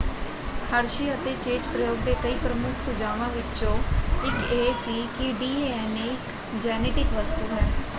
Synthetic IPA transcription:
həɾʃiːət̪eːt͡ʃeːt͡ʃpɾəjoːɡ̚d̪eːkəiːpɾəmʊkʰsʊd͡ʒaːʋãːʋɪt͡ʃõːɪkeːsiːkɪɖiːeːɛneːɪk | d͡ʒɛːneːʈɪkʋəst̪uːɦɛː

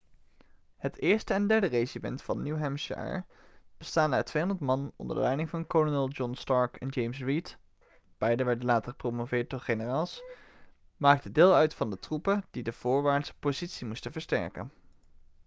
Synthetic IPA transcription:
hətɪːɹstəɛndɛɹdərejzimɛ̰ntfɑnːuwɦɛmʃɛ̰ɹ | b̥əstaːndəə̰tʋejɔndəɹtmɑnnɔ̰ndə̰ɹdə̰lɛjnɪŋvɑnkɔlonɛlˠd͡ʒɔnstɑɹkɛnd͡ʒejmsɹit | b̥ɛjdənʋɛɹdənlaːtəɹχəpromovɪːɹt̚dɔɹχenəraːlˠs | maːk̚tədɪːlˠœɥtfɑndətrupədidəv̥ʊːɹʋaːɹtspozitsimustəvəɹstɛ̰ɹkə̰n

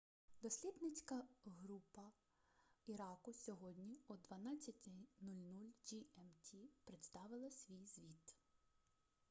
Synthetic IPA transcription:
d̪ɔsʲlʲid̪nɪt͡sʲkɐɦɾupɐ | iɾɑkʊsʲɔɦɔdʲnʲiɔd̪ʋɐnɑt͡sʲːɐtʲɪnulʲnulʲd͡ʒiɛmtʲʰipɾet̪st̪ɑʋɪlˠɐsʲʋʲijzʋʲit̪

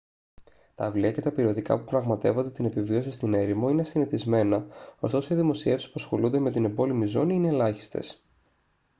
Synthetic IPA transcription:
t̪ɐːvliɐce̞t̪ɐpiɾio̞t̪ikɐ̰pupɾɐɣmɐt̪e̞vo̞nd̪e̞t̪ine̞pivio̞sist̪ine̞ɾimo̞ine̞siniθizme̞nɐo̞st̪o̞soiðimo̞sie̞fsi̥spuɐsxo̞lund̪e̞me̞t̪ine̞bo̞limizo̞niine̞lɐçi̥st̪e̞̰s

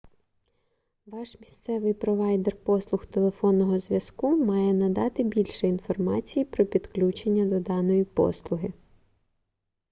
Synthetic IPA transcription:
ʋɑʃmʲist̪sɛʋɪjpɾɔʋɑjd̪erpɔslˠʊxt̪elˠe̞fɔnːɔɦɔzʲʋʲjɐskumɑjɛnɐd̪ɑt̪ɪbʲilʲʃɛinfɔrmɑ̰t͡sʲijipɾɔpʲid̪klʲut͡ʃenʲːɐd̪ɔd̪ɑnɔjipɔ̰slˠʊɦɪ

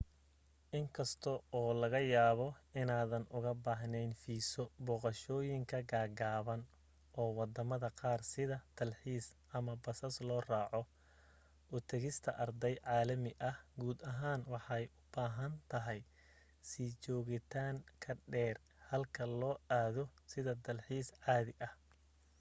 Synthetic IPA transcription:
ʔɪŋkʰɐst̪ʰɔɔːlɐɣɐjaːβɔɪnaːðɐnʊɣɐbaːɦnɛjnfiːsɔbɔːqɐʃɔːjɪŋkʰɐɡaːɡaːβɐn | ʔɔːwɑd̪ɐmɐðɐqɑːrsɪðɐt̪ʰɐlħiːsʔɐmɐbɐsɐslɔːrɑːʕɔ | ʔʊt̪ʰɐɣɪst̪ʰɐʔɐrd̪ɛjʕɑːlɐmɪʔɐhɡuːd̪ɐɦaːnwɑħɑjʔʊb̥aːɦɐnt̪ʰɐɦɛj | sit͡ʃɔːɣɪt̪ʰaːŋkʰɐɖɛːr | hɐlkʰɐlɔːaːðɔsɪðɐd̪ɐlħiːsʕɑːðɪʔɐh

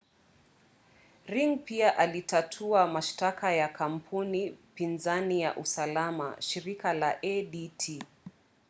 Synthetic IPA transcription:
ɾiŋpiaʔalitʰatʰuamaʃtakajakʰam̩pʰunipinzanija̰ʔusalama̰ʃiɾikalaʔɛɗitʰi

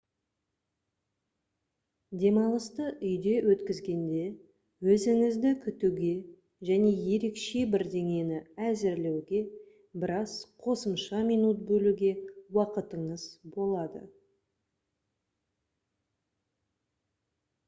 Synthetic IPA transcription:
d̪e̞mɑlˠəst̪əʔʏjd̪e̞wʔɵt̪kʲɪzɡʲe̞nd̪e̞ | wɵzɪŋɪzd̪ɪkʲʰʏt̪uɡʲe̞ | ʒæne̞je̞ɾe̞kʃe̞bɪɾd̪e̞ŋe̞nɪæzɪɾle̞wɡʲe̞ | bɪɾɑzqʰo̞səmʃɑmijnut̪̚bɵluɡʲe̞wɑqət̪əɴəz̥bo̞lˠɑd̪ə̰

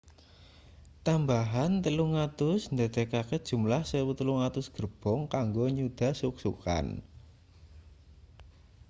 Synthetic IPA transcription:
t̪ambaɦant̪əluŋat̪ʊsnd̪a̤d̪̥e̤kaked̥ʒ̥ṳmlahsewut̪əluŋat̪ʊsɡ̥ərb̥ɔŋkaŋɡoɲud̪̥ä̤suksuka̰n

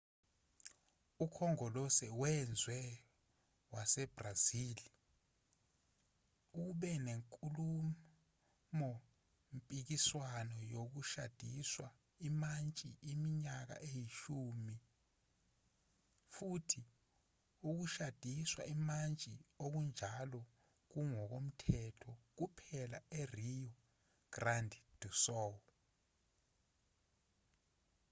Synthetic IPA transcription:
ukʰɔŋɔlɔsɛwɛnd͡zʱwɛ | wasɛb̥raziːli | uɓɛneŋkʼulu | mɔ | mpʼik̬iswanɔjok̬uʃa̰d̥ʱiswa | imant͡ʃʼiʔimiɲak̬a̰ʔejiʃuːmi | futʰi | uk̬uʃad̥ʱiswa̰imant͡ʃʼiok̬und͡ʒʱalɔ | k̬uŋɔk̬om̩tʰɛtʰɔk̬upʰɛla̰erijɔ | ɡ̥randʱd̥ʱusɔ

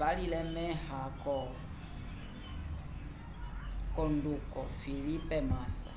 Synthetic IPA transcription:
alilɛmɛhakɔ | kɔndukɔfilipɛmasa̰

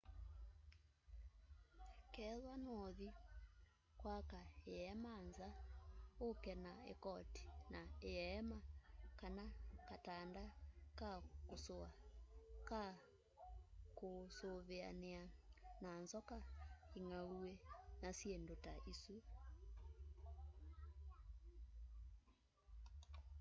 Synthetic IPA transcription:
kɛðwanoði | kwakaeɛmanzaokɛnaḛkɔti̥naeɛmakanakatandakakosoa | ka | kosoβea̰neananzɔkaeŋauenasjendotaʔisu

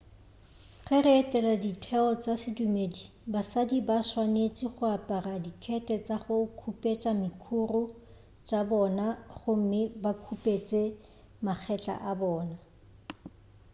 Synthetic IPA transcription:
χɛrɪːtʼɛladitʰɛɔt͡sʼasɪdumedibasadibaswanet͡sʼiχʊapʼaradikʰɛtʼɛt͡sʼaχʊkʰupʼet͡ʃʼamɪkʰurʊ | t͡ʃʼabɔnaχʊm̩mɪbakʰupʼet͡sʼe | maχʰɛt͡ɬʼa̰ʔabɔːna

